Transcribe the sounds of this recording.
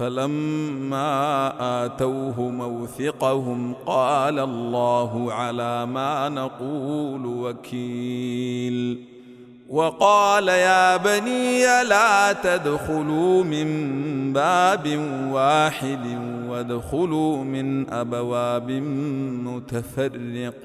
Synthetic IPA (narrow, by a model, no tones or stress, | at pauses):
falamːaːʔaːt̪awɦʊmawθɪqɑhʊmqɑːlalːaːɦʊʕalaːmaːnɑquːlwakʰiː | l | wɑqɑːlajaːbaniːalaːt̪ad̪xʊluːmɪmbaːbɪnwaːħɪd̪ɪnwad̪xʊluːmɪnʔabawaːbɪnmʊt̪afɑrːɪq̚